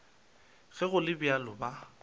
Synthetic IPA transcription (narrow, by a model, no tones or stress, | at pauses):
ɣɛɣʊlɪbjalʊba